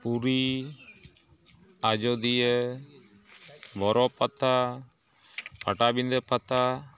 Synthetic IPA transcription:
puɾi | ad͡ʒɔd̪iə | bɔɾɔpat̪a | paʈabind̪əpat̪a

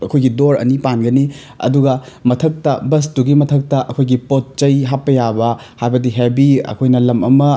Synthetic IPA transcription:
ɐkʰojɡidoɾɐ̰nipanɡɐni | ɐ̰duɡɐmɐtʰɐk̚tɐbɐs̬tuɡimɐtʰɐk̚tɐʔɐkʰojɡipot̚t͡ʃɐjɦapːɐjabɐ | hajbɐdiɦebiɐ̰kʰojnɐlɐmɐmɐ

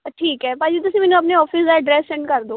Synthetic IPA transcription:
ʈʰiːkɦɛːpaːd͡ʒiːt̪̬ʊsĩmɛːnũɐpneɔːpʰɪsd̪aəɖɾɛːsːɛ̃ːɳɖkəɾd̪oː

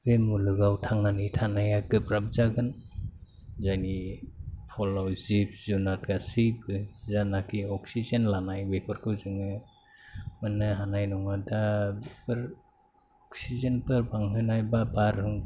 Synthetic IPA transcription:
bemulɯɡawtʰaŋnanitʰanajakɯpɾab̚zaɡɯn | zajni | pʰɔlawzip̚zunat̚ɡasɯjbɯzanakʰiɔk̚sizenlanajwepʰɯɾkʰɯwzɯŋɯ | mɯnɯɦanajnɔŋadabepɯɾ | ɔksizenpɯɾbaŋɦɯnajbabaɾhɯŋ

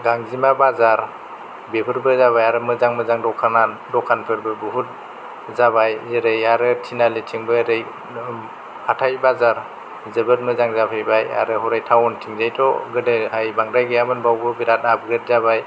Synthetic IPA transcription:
ɡaŋzimabazaɾ | bepʰɯɾbɯzaβajaɾɯmɯzaŋmɯzaŋdɔkʰanandɔkʰanpʰɯɾbɯbuɦut̚ | zaβajzeɾɯjaɾɯtʰinaletʰiŋbɯɾɯj | atʰajbazaɾ | zɯbɯt̚mɯzaŋzapʰɯjbaja̰ɾɯɦɔɾajtʰawɔntʰiŋzajtʰɔɡɯdehajbaŋɾajɡɯjamɯnbawbɯbiɾat̚nap̚ɡɾɯt̚zaβaj

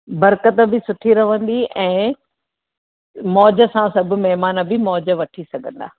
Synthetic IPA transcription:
bɐɾkət̪ə̆bɪsʊʈʰiɾɐʋə̃nd̪iʔɛ̃ː | mɔːd͡ʑə̆sãsɐbʱʊ̆mɛɦmaːnə̆bɪmɔːd͡ʑə̆ʋɐʈʰisɐɡʱə̃nd̪a̰ː

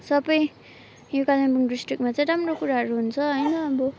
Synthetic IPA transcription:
sʌbʌj | jokalambuŋɖisʈrik̚mat͡saj̃ɾamrokuɾaɦʌɾuɦunt͡sʰʌɦʌjnʌːbʌ

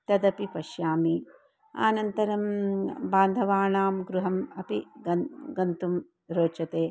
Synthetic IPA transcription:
t̪ɐd̪ɐpipɐʃjaːmi | a̰ːnɐnt̪ɐɾɐmbaːnd̪ʱɐʋaːɳaːmɡɾuɦɐmɐpiɐɡɐnt̪um | ɾoːt͡ʃɐt̪eː

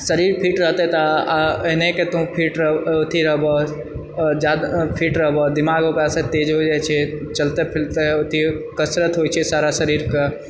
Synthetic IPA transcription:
səɾiɾpʰiʈɾəɦt̪et̪aəɦneket̪oũpʰiːʈɾəot̪ʰiɾəɦbɔ | d͡ʒad̪pʰiːʈɾəɦbɔd̪imaɡokasẽt̪ed͡ʒɦod͡ʒajt͡ʃʰɛt͡ʃəlt̪epʰilt̪eot̪ʰikəsɾət̪ɦot͡ʃʰɛsaɾasəɾiɾke

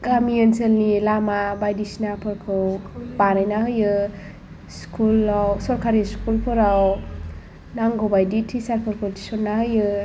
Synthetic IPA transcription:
ɡamiənsəlnilamabajdisinapʰɯɾkʰɯwbanajnaɦɯjɯ | skʰulawsɔɾkʰaɾiskulpʰɯɾaw | naŋɡobajditʰisaɾpʰɔɾpʰoti̥sɔnːaɦɯjɯ

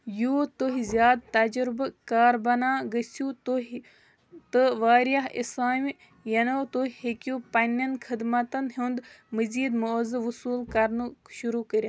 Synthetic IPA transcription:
juːt̪oɦizjaːd̪̚t̪ɐd͡ʒɾbkaːɾbɐnaːɡəsjut̪oɦ | t̪ɨʋaːɾjaɦḭsaːmʲ | jɐnot̪oɦihekjupɐnʲːɐnkʰɨd̪mɐt̪ɐnɦund̪mɨziːd̪mozɨʋusuːlkɐɾnuʃuɾuːkəɾʲja

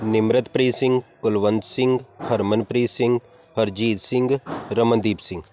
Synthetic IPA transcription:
nɪmɾət̪pɾiːsɪ̃ŋɡkʊlʋənd̪sɪ̃ŋɡhɐɾmənpɾiːsɪ̃ŋɡ | hɐɾd͡ʒiːt̪sɪ̃ŋɡɾəmə̃nd̪iːpsɪ̃ŋɡ

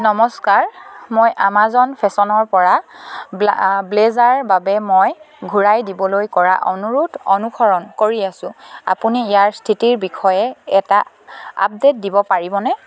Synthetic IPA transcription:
nɔmɔskaɹmojʔamazɔnpʰɛsɔnɔɹpɔɹa | blezaɹbabɛmoj | ɡʱuɹajdibɔlojkɔɹa̰ʔɔnuɹutʰɔnukʰɔɹɔnkoɹiasʊ̃a̰puniːjaɹstʰitiɹbikʰɔjɛɛta | a̰p̚det̚dibɔpaɹibɔnɛ

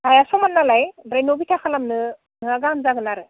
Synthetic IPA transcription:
tajasɔmanːalajɾajnobitʰakʰalamnɯ | nɯaɡamzaɡɯnaɾɯ

